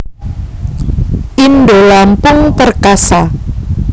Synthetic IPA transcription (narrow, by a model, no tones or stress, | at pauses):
ʔinɖolampʊŋt̪ərkasa